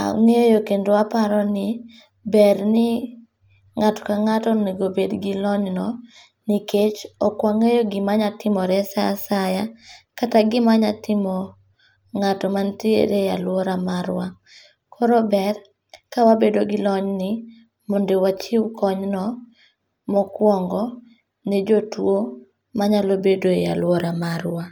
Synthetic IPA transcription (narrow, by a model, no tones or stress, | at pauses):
a̰ŋejokendoapaɾɔnɪ | bɛɾnɪ | ŋatɔ̥kaŋatɔneɡobedɡilɔɲnɔ | niket͡ʃɔkwaŋejoɡɪmaɲatɪmɔɾɛsasajakataɡɪmaɲatɪmɔ | ŋatɔmantiḛɾejalwɔɾamaɾwa | kʰɔɾɔbɛr | kawabedoɡɪlɔɲnɪ | mondewat͡ʃiwkɔɲnɔ | mɔkwɔŋɡɔ | nɛd͡ʒotwo | maɲalobedoja̰lwɔɾamaɾwa